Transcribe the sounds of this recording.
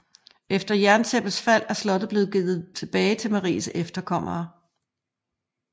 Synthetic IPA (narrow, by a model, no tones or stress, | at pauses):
efd̥ɐjæɐnsʰeb̥əsfæl̰æslɒ̽d̥ð̩ˠb̥le̝ːð̩ˠɡ̥eːð̩ˠt͡sʰe̝b̥ɛːɪt͡sʰe̝lmæʁḭːsefd̥ɐkʰɒ̽m̰ɐː